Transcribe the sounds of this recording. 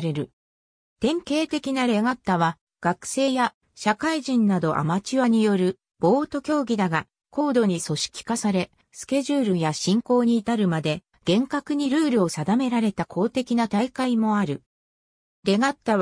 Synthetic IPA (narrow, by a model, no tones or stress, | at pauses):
ɾe̞ɾɯ̟ | t̪ẽ̞ŋke̞ːt̪e̞kʲinaɾe̞ɡat̪ːaβa | ɡ̥akɯ̟̥se̞ːja | ɕakaiʑĩnnad̪o̞ʔa̰mat͡ɕiβaɲ̟ijo̞ɾɯ̟ | b̥o̞ːt̪o̞kʲo̞ːɡʲid̪aɡa | ko̞ːd̪o̞ɲ̟iso̞ɕi̥kʲi̥kasaɾe̞ | sɨ̥ke̞ʑɨːɾɯ̟jaɕĩŋko̞ːɲ̟iːt̪aɾɯ̟mad̪e̞ | ɡ̥ẽ̞ŋkakɯ̟ɲ̟iɾɯ̟ːɾɯ̟o̞sad̪ame̞ɾaɾe̞t̪akʰo̞ːt̪e̞kʲinat̪aikaimo̞aɾɯ̟ | ɾe̞ɡat̪ːa